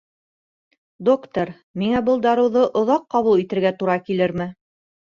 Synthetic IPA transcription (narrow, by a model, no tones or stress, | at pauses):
d̪okt̪oɾ | miŋæbɤlˠd̪ɑɾɤ̆wðɤʔŏðɑqːɑβulˠit̪ɘ̆ɾɡæt̪uɾɑkilɘɾmɘ